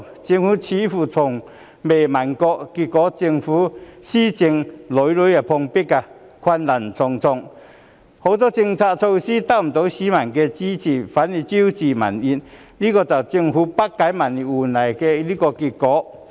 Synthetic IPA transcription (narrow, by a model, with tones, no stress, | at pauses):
t͡ɕi˧ŋhu˧˦t͡ɕʰi˨˦fu˧˩t͡sʰɔ˨˩ŋ | be˨˩ma˨˩nkɔ˧ki˧kɔ˨˦t͡ɕi˧ŋfu˨˦ɕi˦t͡ɕi˧ŋlo˨˦jlu˧˦ja˨˩pʰɔ˧ŋpi˦˥kːa˧ | kʰwa˧nla˨˩nt͡sʰɔ˧ŋt͡sʰɔ˧ŋ | ho˧˦t͡sɔ˦t͡ɕi˧ŋt͡sʰa˧t͡sʰo˧ɕi˦t̪a˧˨m̩˨˩t̪o˨˦ɕi˦ma˨˩nke˧t͡ɕi˦t͡ɕi˨˩fa˨˦ni˧t͡ɕi˦ut͡ɕi˧ma̰˨ni˧n | li˦kɔ˧t͡sa˨˩t͡ɕi˧ŋhu˨˦pa˦˥kːa˨˧˦jma˨˩ni˨u˨na˨jke˧li˦kɔ˧ki˧kɔ˨˦